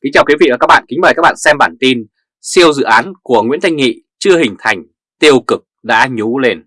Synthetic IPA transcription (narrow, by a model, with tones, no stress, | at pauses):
ki˨˦ŋt͡ɕaː˨˩wkwi˨˦vḭ˧˨a˨˩kaː˦˥k̚ɓa̰ː˧˨nkï̟˨˦maː˨˩kaː˦˥k̚ɓ̰a̰ː˧˨sɛ˧mɓaː˧˩nt̪i˧n | si˧əwzɨ̰˧˨ʔaː˨˦nku˧˩əŋwḭ˧˥ənt̪ʰa˧jŋ̟ŋḭ˧˨t͡ɕɨ˧əhï˨˩ŋ̟t̪ʰa˨˧˩jŋ̟ | t̪i˧əwkɨ˨˩k̚ɗa̰ː˧˥ɲu˨˦le˧n